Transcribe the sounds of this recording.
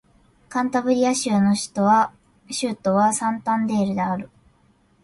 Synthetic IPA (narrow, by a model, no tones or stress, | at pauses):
kãnt̪abɯ̟ɾʲijaɕɨano̞ɕi̥t̪o̞βa | ɕɨːt̪ːo̞βasãnt̪ãnd̪e̞ːɾɯ̟d̪eaɾɯ̟